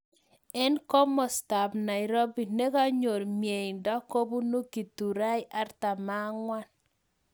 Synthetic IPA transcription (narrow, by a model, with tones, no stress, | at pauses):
ɛ˦nkɔ˦mɔ˨sta˨bna˨ɪ˨ɾo˦bi˨ne˦ka˦ɲo˨ɾmje˨i˨ndɔ˦ko˦bu˦nu˦ki˨tu˨ɾa˦ɪ˦ʔa˦ɾta˨ma˦ŋwa˦n